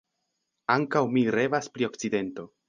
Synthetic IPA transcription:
aŋkawmiɾe̞vaspɾio̞kt͡side̞nto̞

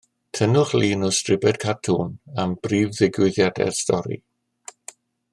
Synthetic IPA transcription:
tʰənʊχliːnɔstrɪbɛdkʰatʰunamb̥riːvðɪɡwɪðjadɛ̰rstɔɾḭ

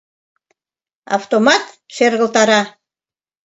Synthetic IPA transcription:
ɑ̰ft̪omɑt̪ | ʃerɣəlt̪ɑɾɑ

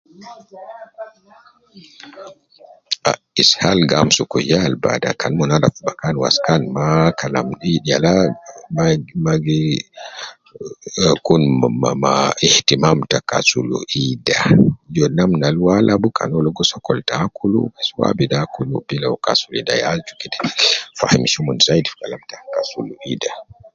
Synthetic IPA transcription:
ʔa̰ | ishalɡamsukɔjalba̰da̰kanmɔnadafbakanwa̰skanmakalamɗiɗialammaɡi | kunmamamaɛhtimamtaka̰sulṵʔidad͡ʒɔnamnalwalʔabuka̰nɔlɔɡɔsɔkːɔltakʰulṵmaswa̰bidakulṵbilawka̰sulida̰jad͡ʒukɛdɛ̥fahimiʃumɔnsajdifkalamtakasuluʔida

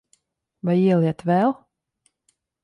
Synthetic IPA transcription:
vajiɛlˠiɛt̪vɛlˠ

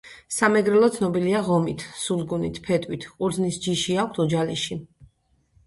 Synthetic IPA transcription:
samɛɡɾɛlˠɔt̪sʰnɔbiliaʁɔmit̪ʰsulˠɡunit̪ʰpʰɛt̪ʼwit̪ʰʼuɾd̪znisd͡ʒiʃiakʷʰt̪ʰɔd͡ʒaliʃi

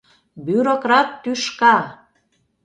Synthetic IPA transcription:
byɾokrɑt̪ːyʃkɑ

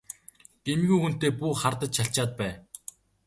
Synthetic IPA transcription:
ɡ̥emɣʲujxun̥t̪eːpuːχart̪ə̆t͡ɕɕaɬt͡ɕaːt̪̚pæː

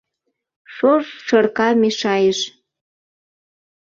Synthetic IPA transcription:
ʃoʃʃərkɑmeʃɑjəʃ

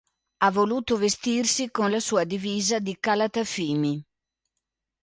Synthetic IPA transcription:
avːoluːt̪ovest̪irsikonlasuːad̪iviːzad̪ikalat̪afiːmi

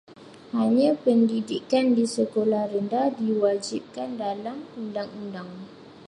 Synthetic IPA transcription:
haɲãpəndidikandisəkolahɾəndadiwad͡ʒip̚kandalamundaŋundaŋ

